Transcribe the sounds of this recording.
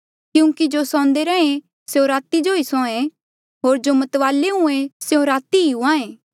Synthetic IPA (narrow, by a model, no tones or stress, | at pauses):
kjũːkid͡ʒosɔ̃ːnd̪eɾɛẽ | seõɾaːt̪id͡ʒoisɔ̃ːẽ | ɦoːɾd͡ʒomɐt̪ʋaːleɦũẽseõɾaːt̪iiɦʊãːẽː